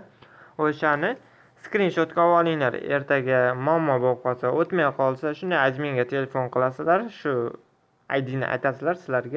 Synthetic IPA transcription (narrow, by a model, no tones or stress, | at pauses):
oʃanɪ | skɾinʃot̪kʲaɒwɒlˠɪŋla̰ɾe̞̰ɾt̪ʰaɡʲamɒmːɒbɒp̚qʰɒsaʔot̪majqʰɒlˠsaʃʊnd̪ajad͡ʒmɪŋɡʲat̪ʰe̞le̞fo̞nqʰɨlˠasɪlaɾʃʊ | a̰jd̪ɪnɪ̰ʔa̰jt̪asɪlaɾsɪlaɾɡʲa